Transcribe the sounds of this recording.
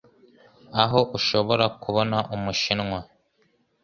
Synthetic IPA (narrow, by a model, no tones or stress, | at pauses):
aɦo̞ʔuʃo̞βo̞ɾakuβo̞naʔumuʃinŋwa